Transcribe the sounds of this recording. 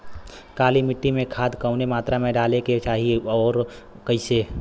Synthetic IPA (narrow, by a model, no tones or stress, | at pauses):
kaːlimɪʈːimẽkʰaːd̪kəʊnemaːt̪ɾamẽɖaːleket͡ʃaːɦiɔːɾ | kəɪse